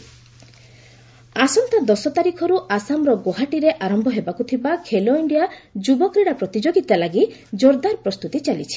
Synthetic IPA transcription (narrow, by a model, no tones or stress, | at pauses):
asɔnt̪ad̪ɔsɔt̪aɾikʰɔɾuʔasamɾɔɡoɦaʈiɾeʔaɾɔmbʱɔɦebakut̪ʰibakʰeloiɳɖijad͡ʒubɔkɾiɽapɾɔt̪id͡ʒoɡit̪alaɡid͡ʒoɾd̪aɾpɾɔst̪ut̪it͡ʃalit͡ʃʰi̥